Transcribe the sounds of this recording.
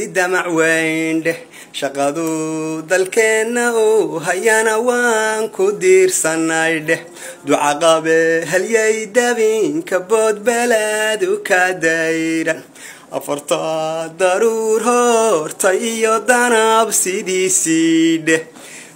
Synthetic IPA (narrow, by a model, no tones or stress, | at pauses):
ɪd̪ɐmɑʕwɛjnɖɛh | ʃɐqɑðʊd̪ɐlkʰɛnːɐʊɦɐjɐnɐwɑŋkʰʊd̪iːrsɐnːɐjɖɛh | d̪ʊʕɑqɑβɛɦɐljɛjd̪ɐβiŋkʰɐbɔːd̪̚bɛlad̪ʊkʰɐd̪ɛjɾɐn | ʔɐ̰fɐrt̪ʰɐd̪ɐɾurɦɔrt̪ʰɐjɪjɔd̪ɐnɐbsɪðiːsiɖɛh